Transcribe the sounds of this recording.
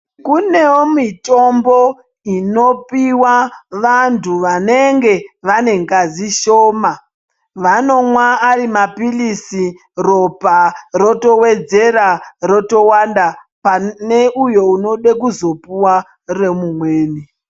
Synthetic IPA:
kune̞omito̞mbo̞ | ino̞piwaʋantʰuʋane̞ŋɡe̞ʋane̞ŋɡaziʃoːma | ʋano̞mwaːɾimapilisi | ro̞paro̞to̞we̞d͡ze̞raro̞to̞wanda | pane̞ujo̞uno̞ɗek̬uzo̞puwa | remumweːni

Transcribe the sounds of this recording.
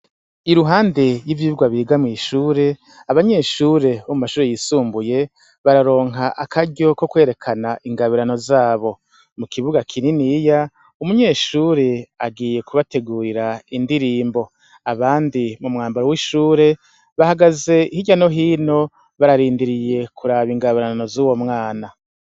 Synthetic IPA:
iɾuɦaːnde̞jivjiβuɡwaβiɡamŋiːʃuːɾe̞ | aβaɲe̞ʃuːɾe̞βomumaʃuːɾejisuːmbuje̞ | βaɾaɾo̞ːŋɦaʔakaɟo̞ko̞kwe̞ːɾe̞kʰanaʔiŋɡaβiɾano̞zaːβo̞ | mukiβuɡakʰininija | umuɲe̞ːʃuːɾe̞aɡiːje̞kuβate̞ɡuːɾiɾaindiɾiːmbo̞ | aβaːndimumŋaːmbaɾowiʃuːɾe̞ | βahaɡaze̞ihiɟano̞ɦiːno̞ | βaɾaɾiːndiɾije̞kʰuɾaβiŋɡaβiɾanno̞zuːwo̞mŋaːna

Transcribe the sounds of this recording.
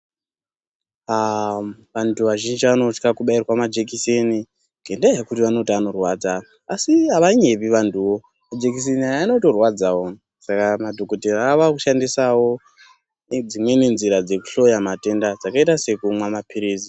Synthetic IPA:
ʋantʰuʋaʒind͡ʒiʋano̞t͡ʃkakuɓairwamad͡ʒek̬iseni | ŋɡʱe̞ndajekutiʋano̞tiano̞rwad͡za | asiaʋaɲe̞piʋantuwo̞ | mad͡ʒek̬is̬eniajaːno̞to̞rwad͡zawo | sakamadʱo̞koteraaʋakuʃandisawo̞ | d͡zimwe̞ne̞nziɾad͡ze̞ku̥ɬo̞jamate̞ndad͡zakaitase̞kumwamapʰiɾiːzi

